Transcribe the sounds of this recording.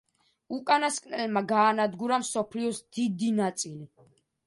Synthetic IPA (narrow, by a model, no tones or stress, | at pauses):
ukʼanaskʼnɛlmaɡaːnad̪ɡuɾamsɔpʰliɔsd̪̥id̪inat̪sʼili